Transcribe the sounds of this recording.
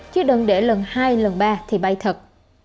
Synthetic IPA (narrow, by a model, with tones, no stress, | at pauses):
t͡ɕɨ˦ɗə˧˩nɗe˧˩lə˨˩nhaː˧jlə˨˩nɓaː˧t̪ʰi˨˩ɓa˧jt̪ʰə˨˩t̚